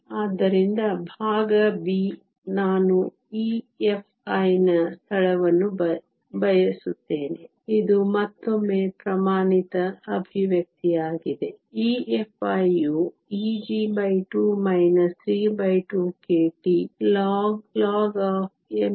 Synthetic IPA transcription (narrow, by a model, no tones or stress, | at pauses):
aːd̪ːɐɾind̪ɐbʱaːɡɐbiː | naːnu | iː | epʰɐjnɐst̪ʰɐɭɐʋɐnːub | bɐjɐsut̪ːe̞ːne | id̪umɐt̪ːomːeːpɾɐmaːɳit̪ɐːbʱiʋjɐk̚t̪ijaːɡid̪e̞iːepʰɐju | iːd͡ʒiːbɐjʈuːmɐjnɐsɾiːbɐjʈuːkeːʈilɔːɡlaːɡaːp̚ʰem